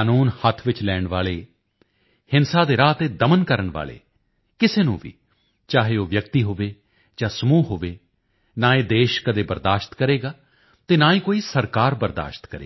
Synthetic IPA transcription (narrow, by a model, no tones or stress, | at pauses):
aːnuːnhət̪ʰʋɪt͡ʃlɛːɳʋa̰ːleː | hɪnsaːd̪eːɾaːt̪eːd̪əmənkəɾəɳʋa̰ːlḛː | kɪseːnũːʋḭː | t͡ʃaːɦeːoːʋjək̚t̪iːɦoːʋeː | d͡ʒãːsəmuːɦoːʋeː | nãːeːd̪eːʃkəd̪eːbəɾd̪aːʃt̪kəɾeːɡaː | t̪eːnaːĩːkoːiːsəɾkaːɾbəɾd̪a̰ːʃt̪kəɾḛː